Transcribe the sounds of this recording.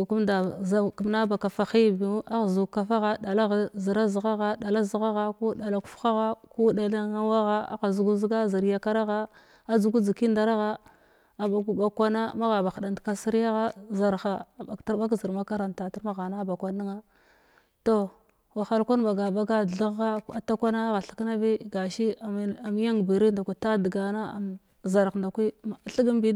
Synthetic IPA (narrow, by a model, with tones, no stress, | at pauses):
ku˦mda˨za˦ku˨m˦na˦ba˨ka˨fa˨xi˦bi˨˦a˦ɣzu˨ka˦fa˦ɣa˦da˨la˦ɣzi˨ɾa˦zi˨ɣa˦ɣa˦ɗa˨la˦zi˦ɣa˦ɣa˦ku˦da˨la˨ku̥˦fxa˦ɣa˦ku˦da˨la˦ŋa˦wa˦ɣa˦a̰˦ɣa˨zu˨ɡu˦zi˦ɡa˦zi˨ɾja˦ka˦ɾa˦ɣa˦ | a˨zu˨ɡu˦d͡zi˨ki˦nda˨ɾa˦ɣa˦ | a˨ba˨ɡu˦ba˨kʷa˦na˦ma˦ɣa˨ba˨xa˨da˨ndka˦si˦ɾja˦ɣa˦za˨ɾxa˨ta˦ba˦k̬zi˨ɾma˦ka˦ɾa˨nta˨ti˦ɾma˦ɣa˨na˦˨ba˨kʷa˨ni˦ŋa˦ | to˦˨ | wa˨xa˨lkʷa˦nba˨ɡa˨ba˦ɡa˦˨ɮa˦ɣa˦a˨ta˦kʷa˦na˦ɣa˨ɬḁ˦kna˦vi˦ɡa˨ʃi˦˨˦a˨m˦ja˦ŋbi˨ɾi˦nda˨kʷi˨ta˦di˨ɡa˨na˦a̰˨m | za˨ɾɣnda˨kʷi˦˨ɬi˦ɡi˦m˦bi˦